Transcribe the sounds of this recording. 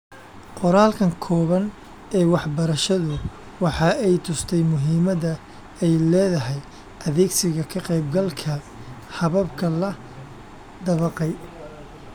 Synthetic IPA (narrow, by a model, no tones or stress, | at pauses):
qɔɾaːlkʰɐŋkʰɔːβɐn | ɛːwɑħbɐɾɐʃɐðʊ | wɑħɑːɛjt̪ʰʊst̪ʰɛjmʊɦiːmɐðɐ | ɛjlɛːðɐɦɛj | ʔɐðɛːɡsɪɣɐkʰɐqɛjbɡɐlkʰɐ | hɐβɐbkʰɐlɐ | d̪ɐβɐqɛj